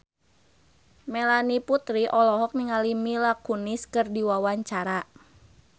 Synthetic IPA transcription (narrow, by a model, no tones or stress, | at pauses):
melaniput̪ɾiʔɔlɔɦɔk̚niŋalimilakuniskɨrdiwawaɲt͡ʃaɾa